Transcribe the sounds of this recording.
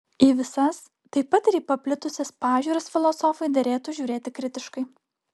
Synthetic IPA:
iʋʲɪsɐs | t̪ɐɪpːɐt̪ɪɾiːpɐpʲlʲɪt̪ʊsʲɛspɑːʒʲuːɾɐsfʲɪlˠɔsɔfɐɪd̪ɐɾʲeːt̪uʒʲuːɾʲeːt̪ʲɪkɾʲɪt̪ʲɪʃkɐɪ

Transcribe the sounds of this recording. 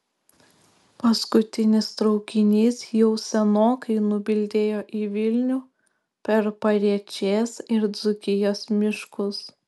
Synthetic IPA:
pɐskʊt̪ʲɪnʲɪst̪ɾɒʊkʲɪnʲiːsjɛʊsʲɛnoːkɐɪnʊbʲɪlʲd̪ʲeːjoːʔiːʋʲɪlʲnʲuː | pʲɛɾpɐɾʲiɛt͡ʃʲeːsɪɾd̪zʊkʲɪjoːsmʲɪʃkʊs

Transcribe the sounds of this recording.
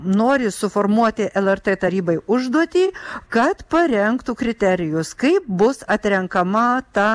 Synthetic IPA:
noːɾʲɪsʊfoːrmuɔt̪ʲɪʔɛlˠɛrt̪eːt̪ɐɾʲiːbɐɪʊʒd̪uɔt̪ʲiːkɐt̪pɐɾʲɛŋkt̪ukɾʲɪt̪ʲæɾʲɪjʊskɐɪp̚bʊsɐt̪ʲɾʲɛŋkɐmɐt̪ɐ

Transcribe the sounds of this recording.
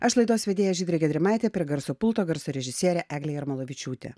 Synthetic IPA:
ɐʃlˠɐɪd̪oːsʋʲɛd̪ʲeːjoʒʲiːd̪ʲɾʲeɡʲɛd̪ʲɾʲɪmɑɪt̪ʲɛpʲiɡɐɾsopʊlˠt̪oːɡɐɾsoɾʲɛʒʲɪsʲiɛɾʲɛʔæːɡlʲeːjɪɾmɐlˠoʋʲɪt͡ʃʲuːt̪ʲḛ

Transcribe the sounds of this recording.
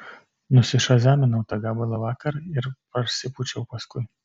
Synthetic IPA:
nʊsʲɪʃɐzʲæːmʲɪnɐʊt̪ɐɡ̪ɐbʊlˠɐʋɑːkɐɾɪɾpɐɾsʲɪpʊt͡ʃʲɛʊpɐskʊj

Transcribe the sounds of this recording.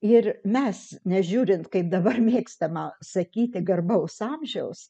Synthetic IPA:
ɪrmʲɛsnʲɛʒʲuːɾʲɪnt̪kɐɪp̚d̪ɐbɐrmʲeːkst̪ɐmɐsɐkʲiːt̪ʲɪɡɐrbɐʊsɑːmʲʒʲɛʊs

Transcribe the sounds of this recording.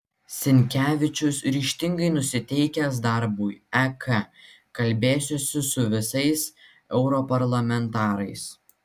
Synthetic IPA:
sʲɪnʲkʲæːʋʲɪt͡ʃʲʊsɾʲiːʃʲt̪ʲɪŋɡɐɪnʊsʲɪt̪ʲɛɪkʲɛs̬d̪ɐɾbujɛkʰɐ | kɐlʲbʲeːsʲosʲɪsʊʋʲɪsɐɪs | ɛʊɾɔpɐɾlˠɐmʲɛnt̪ɑːɾɐɪs

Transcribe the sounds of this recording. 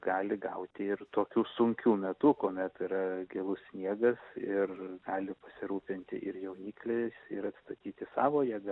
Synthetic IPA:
ɡ̥ɑːlʲɪɡɐʊt̪ʲɪɪrt̪oːkʲuːsʊŋʲkʲuːmʲɛt̪uːkoːmʲɛt̪ɪɾɐɡʲelˠʊssʲnʲiɛɡɐsɪrɡɑːlʲɪpɐsʲɪɾuːpʲɪnʲt̪ʲɪʔɪɾjɛʊnʲiːklʲeɪɾɐt̪st̪ɐt̪ʲiːt̪ʲɪsɑːʋoːjiɛɡɐ

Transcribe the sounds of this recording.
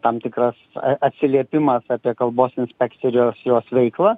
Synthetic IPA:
t̪ɐmt̪ʲɪkɾɐsɐ̰ɐt̪ʲsʲɪlʲiɛpʲɪmɐsɑːpʲiɛkɐlˠboːsɪnʲsʲpʲɛkt͡s̪ʲɪɾʲjoːsjoːsʋʲɛɪklˠɑ

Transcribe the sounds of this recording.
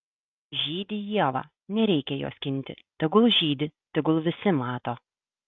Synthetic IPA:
ʒʲiːd̪ʲɪjiɛʋɑ̰ː | nʲɛɾʲɛɪkʲɛjo̰ːskʲɪnʲt̪ʲɪ̰t̪ʲɐɡʊlˠʒʲiːd̪ʲɪt̪ʲɐɡʊlˠʋʲɪsʲɪmɑːt̪oː

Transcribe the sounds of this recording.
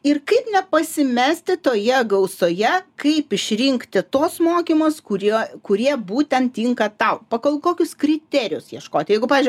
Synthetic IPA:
ɪrkɐɪpnʲɛpɐsʲɪmʲæːsʲt̪ʲɪt̪oːjɛɡɐʊsoːjɛkɐɪpɪʃʲɾʲɪŋkt̪ʲɪt̪oːsmoːkʲimoːskʊɾʲokʊɾʲiɛbuːt̪ʲɛnt̪ʲiŋkɐt̪ɐʊpɐkolˠkoːkʲʊskɾʲɪt̪ʲæːɾʲɪjʊsjiɛʃkoːt̪ʲjɛɪɡʊpɑʋʲɪzd͡ʒʲɪ

